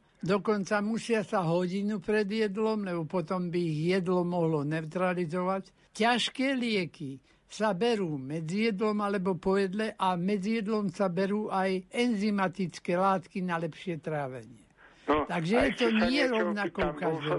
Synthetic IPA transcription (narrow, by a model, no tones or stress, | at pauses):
d̪ɔkɔnt͡samusɪasaɦɔɟinupɾɛd̪jɛd̪lɔmlɛbɔpɔt̪ɔmbiiɣjɛd̪lɔmɔɦlɔnɛʊt̪ɾalizɔʋac | caʃkɛːlɪɛki | sabɛɾuːmɛd͡zijɛd̪lɔmalɛbɔpɔjɛd̪lɛʔamɛd͡zijɛd̪lɔmsabɛɾuːʔajɛnzimat̪it͡skɛːlaːt̪kinalɛpʃɪɛt̪ɾaːʋɛɲɪɛ | t̪aɡʒɛjɛt̪ɔɲɪɛɾɔʋnakɔkaʒd̪ɔ